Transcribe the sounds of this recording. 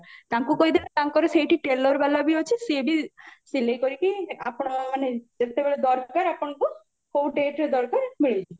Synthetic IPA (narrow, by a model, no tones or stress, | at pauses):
t̪aŋkukojd̪int̪aŋkɔɾesejʈiʈelɔɾbɛlabiot͡ʃʰiseɖisilejkoɾikia̰pɽ̃amaned͡ʒet̪ebeɭed̪ɔɾkaɾapɔɳku | kowɖeʈɾed̪ɔɾkaɾmiɭit͡ʃʰi